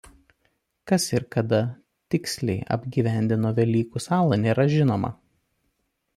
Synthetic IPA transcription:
kɐsɪɾkɐd̪ɐ | t̪ʲɪksʲlʲɛɪʔɐ̰bʲɡʲiːʋʲæˑnʲd̪ʲɪnoːʋʲɛlʲiːkusɑːlˠɐnʲeːɾɐʒʲɪnoːmɐ̰

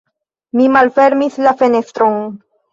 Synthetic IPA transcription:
mimalfe̞ɾmislafe̞ne̞stɾon

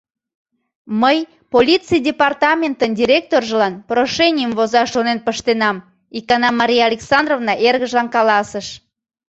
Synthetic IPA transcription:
məj | polʲit͡sɨjdʲepɑrt̪ɑmʲent̪əndʲiɾʲek̚t̪orʒəlɑnproʃenʲijəmvozɑʃonenpəʃt̪enɑm | ikɑnɑmɑɾʲijɑlʲeksɑnd̪rovnɑʔerɣəʒlɑnkɑlɑsəʃ

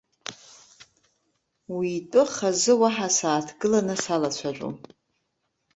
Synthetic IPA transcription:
wiːtʼɨχazɨwaħasaːtʰɡɨlanɨsalat͡ɕʷʰaʒʷʼṵ

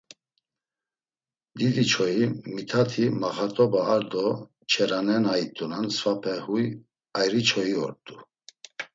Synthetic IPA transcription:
d̪id̪it͡ʃʰɔjimit̪ʰat̪ʰimaχat̪ʼɔbaːɾd̪ɔ | t͡ʃʰɛɾanɛnajit̪ʼunansfapʰɛhuj | ajɾit͡ʃʰɔjiɔ̰ɾt̪ʼu

